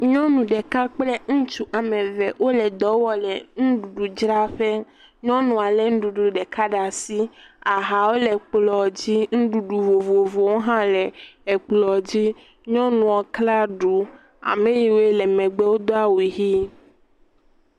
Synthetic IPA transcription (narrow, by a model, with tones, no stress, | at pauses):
ɲɔ̃˦nũ˨ɖɛ˨ka˦k͡plɛ˦ŋũ˦t͡ʃu˦ʔa˨mẽ˨vɛ˨wʔo˦lɛ˨d̪ɔ˨˦wɔ˦lɛ˨ŋũ˦ɖu˨ɖu˨d͡ʒɾa˦ɸe˦ | ɲɔ̃˦nũ˨a˨lɛ˨ŋ̩̃˦ɖu˨ɖu˨ɖɛ˨ka˦ɖa˨si˦a˨ɦa˨wo˦lɛ˨k͡plɔ˨d͡ʑi˦ŋ̩̃˦ɖu˨ɖu˨vo˨vo˨vo˨wo˦ɦã˦lɛ˨ɛ˨k͡plɔ˨d͡ʑi˦ | ɲɔ̃˦nũ˨ɔ˨kla˦ɖu˨ | a̰˨mẽ˦ji˨wlɛ˨mɛ̃˨ɡ͡bɛ˦wo˦d̪ɔ˦a˦wu˨ɦi˦